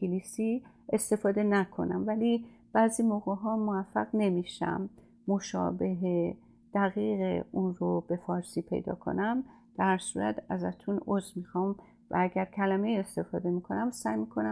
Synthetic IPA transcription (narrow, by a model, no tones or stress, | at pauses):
elisi | ʔest̪e̞fɒːd̪e̞nækʰo̞̰næ̰mvælib̥æziːmoɣeɦɒːmovæfːæɣne̞miʃæ̰mː | o̞ʃɒ̰ːbe̞ɦe | d̪̥æɣiːɣeunrob̥e̞fɒːɾsiːpʰe̞̰jd̪ɒ̰ːkʰo̞̰næm | d̪̥æɾsuːɾæt̪ʰæzæt̪ʰunozmiːxɒːm | væ̰æɡæɾcʰælæmeje̞st̪e̞fɒːd̪e̞mikʰo̞næmsæːjmikʰo̞næ